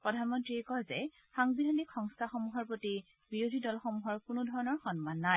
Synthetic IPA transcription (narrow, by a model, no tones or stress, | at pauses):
pɹɔdʱanmɔntɹiekɔzɛ̰ | xaŋbidʱanikxɔŋstʰaxɔmuɦɔɹpɹoti | biɹodʱidɔlxɔmuɦɔɹkʊnʊdʱɔɹɔnɔɹxɔnmanːaj